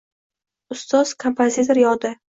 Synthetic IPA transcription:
ʊst̪ɒz̥kʰompʰozit̪ʰoɾjɒd̪ɪ

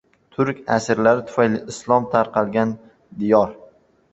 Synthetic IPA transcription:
t̪ʰʊɾkʲa̰sɪɾlaɾɪt̪ʰʊ̥fajlɪɪslˠɒmt̪ʰaɾqɑlˠɡʲan | d̪ɪjɒɾ

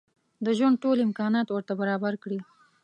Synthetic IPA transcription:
d̪əʒwaɳɖ̚ʈolɪmkɑnɑt̪wəɾt̪abaɾɑbaɾkɽi

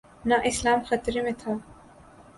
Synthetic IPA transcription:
naʔɪslaːmxɐt̪ɾimet̪ʰa

